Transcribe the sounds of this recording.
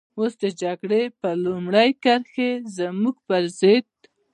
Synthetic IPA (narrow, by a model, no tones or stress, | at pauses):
osd̪əd͡ʒaɡɽepəlumɽajkaɾxezəmuɡ̚pəɾzɪd̪̚